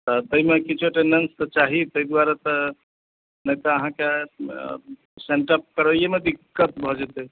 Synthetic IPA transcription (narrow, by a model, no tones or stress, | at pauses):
t̪ət̪əimekit͡ʃʰoʈenɖenst̪ət͡ʃaɦit̪əid̪waɾet̪ə | nəjt̪əːɦãke | seɳʈəp̚kəɾəjemeb̪ikːət̪bʱɔd͡ʒet̪e